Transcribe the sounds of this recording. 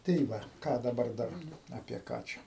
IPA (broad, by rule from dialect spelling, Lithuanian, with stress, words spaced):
tɐɪ ˈʋɐ ˈkɑː dɐˈbɐr ˈdɐr ɐpʲiɛ ˈkɑː t͡ʃʲɛ